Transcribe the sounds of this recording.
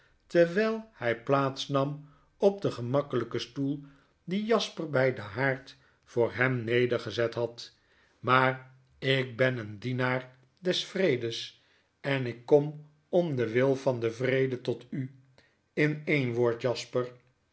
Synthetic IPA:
təɹʋɛlˠhɛjplaːtsnɑm | ɔp̚dəχəmɑkələkəstulˠ | dijɑspərbɛjdəɦaːɹt | fʊːɹɦɛmnejdəɹχəzɛtɦɑt | maːr | ɪk̚bɛnəndinaːɹ | dɛsfrejdəs | ɛnɪkːɔm | ɔmdəʋɪlˠfɑndəvrejdətɔty | ɪnejnʋoːɹtjɑspər

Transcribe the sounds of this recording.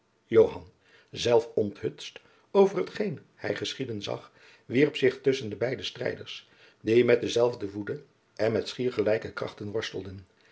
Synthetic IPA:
jowɦɑn | zɛlˠfɔntɦɵtst | owvərɦətχejn | hɛ̰jχəsχidənzɑ̰χ | ʋiɹpsɪχtɵsəndəbɛjdəstrɛ̰jdəɹs | dimɛt̚dəzɛlˠvdəvudə | ɛnmɛtsχiːɹχəlɛjkəkrɑ̰χtənʋɔɹstəlˠdən

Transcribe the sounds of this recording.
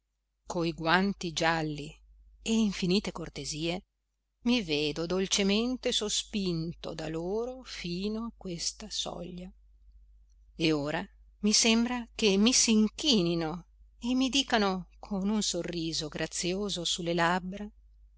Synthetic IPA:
koiɡwant̪id͡ʒalːi | eiɱfiniːt̪ekort̪eziːe | miveːd̪od̪olt͡ʃement̪esospint̪o̰d̪aloːɾofiːnoakːwest̪asɔ̰ʎːa | eoːɾa | misembɾak̟emːisiŋkiːnino | emːid̪iːkanokʰonunsorːiːzoɡɾat̪sːjoːzosulːelabːɾa

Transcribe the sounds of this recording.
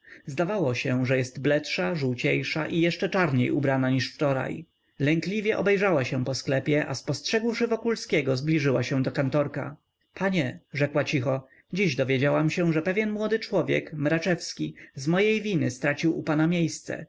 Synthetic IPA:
zd̪avawɔɕɛʐɛjɛst̪blɛtʂaʐuwt͡ɕejʂaʔijɛʂt͡ʂɛt͡ʂaɾɲejṵbɾanaɲiʂft͡ʂɔɾa̰j | lɛŋklʲivʲjɛʔɔ̰bɛjʐawaɕɛ̃pɔsklɛpʲjɛʔa̰spɔstʂɛɡwʂɘvɔkulskʲɛɡɔzblʲiʐɘwaɕɛ̃d̪ɔkant̪ɔɾka̰ | paɲɛʐɛkwat͡ɕixɔ | d͡ʑiʑd̪ɔvʲjed͡ʑawamɕɛ̃ʐɛpɛvʲjɛnmwɔd̪ɘt͡ʂwɔvʲjɛ̰kmɾat͡ʂɛfskʲizmɔjejvʲinɘst̪ɾat͡ɕiwupanamʲjejst̪sɛ̰

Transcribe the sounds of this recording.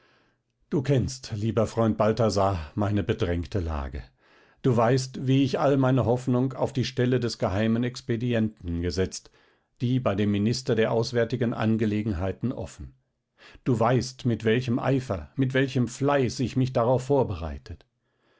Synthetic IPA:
d̥uːkʰɛnstliːbɐfʁ̥ɔʏnt̚b̥altazaːmaɪnəbədʁɛŋktʰəla̰ːɡə̰ | d̥uːvaɪstviːɪçʔalmaɪnəɦɔfnʊŋka̰ʊfd̥iːʃtɛlədɛsɡ̥əɦaɪmənɛkspediɛntn̩ɡəzɛt͡st | d̥iːbaɪdeːmːinɪstɐdeːɐʔaʊsv̥ɛɐtɪɡənʔa̰nɡəleːɡŋ̩ɦaɪtn̩ʔɔ̰fn̩ | d̥uːvaɪstmɪtv̥ɛlçəmʔa̰ɪfɐmɪtv̥ɛlçəmflaɪsɪçmɪçd̥aʁaʊfːoːɐbəʁa̰ɪtʰət

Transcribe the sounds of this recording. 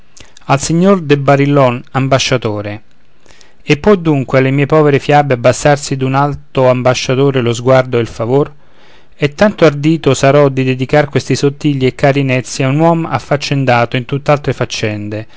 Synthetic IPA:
alsiɲːord̪ebaɾilːɔnambaʃːat̪oːɾe | epːɔd̪uŋkwealemiːepɔːveɾefjabeabːasːarsid̪unalt̪oambaʃːat̪oːɾelozɡward̪oeilfavor | ɛt̪ːant̪oard̪iːt̪osaɾɔd̪id̪ed̪ikarkwest̪isot̪ːiʎːiekːaːɾinɛt̪sːjaunwɔma̰fːat͡ʃːend̪aːt̪oint̪ut̪ːealt̪ɾefat͡ʃːɛnd̪e

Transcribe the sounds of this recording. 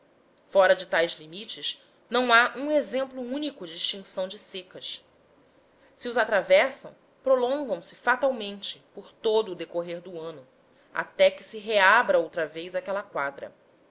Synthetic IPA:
fɔɾɐd͡ʒɪt̪ajzlimit͡ʃɪʃ | nɐ̃w̃aʔũezẽmplʊũnikʊd͡ʒɪːʃt͡ʃĩŋsɐ̃w̃d͡ʒɪsekɐs | siʊzat̪ɾavɛsɐ̰̃w̃ | pɾolõŋɡɐ̃w̃sɪfat̪awmẽnt͡ʃɪpoɾt̪od̪ʊːd̪ekoɦeɾd̪ʊɐ̃nʊ | a̰t̪ɛkɪ̥sɪɦeabɾɐowt̪ɾɐvejzakɛlɐkwad̪ɾɐ̰

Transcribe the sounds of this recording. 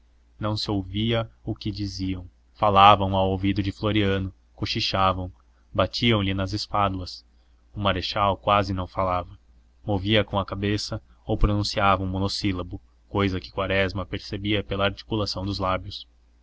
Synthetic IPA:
nɐ̃w̃sɪowviɐʊkɪd͡ʒiziɐ̃w̃ | falavɐ̃w̃awowvid̪ʊd͡ʒɪfloɾiɐ̃nʊ | koʃiʃavɐ̃w̃ | bat͡ʃiɐ̃w̃lɪnɐzespad̪uɐs | ʊmaɾeʃawkwazɪnɐ̃w̃falavɐ | moviɐkõɐkabesɐowpɾonũsiavɐũmonosilɐbʊ | kojzɐkɪ̥kwaɾɛzmɐpeɾsebiɐpelɐːɾt͡ʃi̥kulasɐ̃w̃d̪ʊzlabjʊs

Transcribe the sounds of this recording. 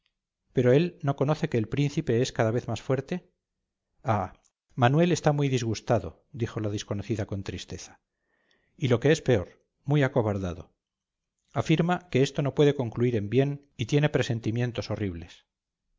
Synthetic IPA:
pe̞ɾo̞e̞lno̞ko̞no̞θe̞ke̞ːlpɾin̟θipe̞eskaðaβe̞θmasfwe̞ɾt̪e̞ | a | manwe̞le̞st̪amujðizɣust̪aðo̞̰ | d̪ixo̞laðisko̞noθiðako̞nt̪ɾist̪e̞θḁ | ilo̞ke̞e̞spe̞o̞ɾ | mujako̞βaɾðaðo̞̰ | afiɾmake̞est̪o̞no̞pweðe̞ko̞ŋkluiɾe̞mbje̞n | it̪je̞ne̞pɾe̞se̞nt̪imje̞nt̪o̞so̞riβle̞s

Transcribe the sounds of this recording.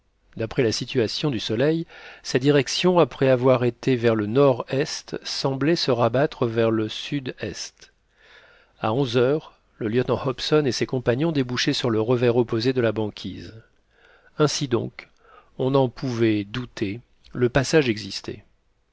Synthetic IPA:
d̪apχɛlasit̪ɥasjɔ̃d̪ysɔlɛjsɛt̪̚d̪iʁɛksjɔ̃apχɛavwaʁet̪evɛʁlənɔʁɛst̪sɑ̃blɛsəʁabat̪χəvɛʁləsyd̪ɛst̪ | a̰ɔ̃zœʁ | ləljət̪nɑ̃hɔpsɔnesekɔ̃paɲjɔ̃d̪ebuʃesyʁləʁəvɛʁɔpozed̪əlabɑ̃kʲʰiz | ɛ̃sid̪ɔ̰̃k | ɔ̃nɑ̃pʰuvɛd̪ut̪ʰe | ləpasaʒɛɡzist̪ɛ̰

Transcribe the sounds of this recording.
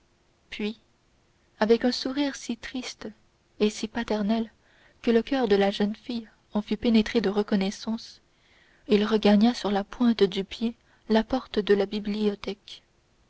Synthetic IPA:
pɥi | avɛkœ̃suʁiːʁsit̪χist̪ | esipat̪ɛʁnɛl | kələkʲœːʁd̪əlaʒənfij | ɑ̃fypenet̪χed̪əʁəkɔnɛsɑ̃s | ilʁəɡaɲasyʁlapwɛ̃t̪d̪ypje | lapɔʁt̪əd̪əlabibliɔt̪ɛk

